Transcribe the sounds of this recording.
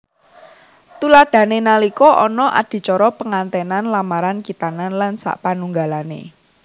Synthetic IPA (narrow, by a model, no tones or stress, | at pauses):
t̪ulaɖ̥ä̤nenalikɔʔɔnɔʔa̰d̪̥i̤t͡ʃɔɾɔpəŋant̪ɛnanlamaɾankit̪ananlansa̰ʔpanuŋɡalanḛ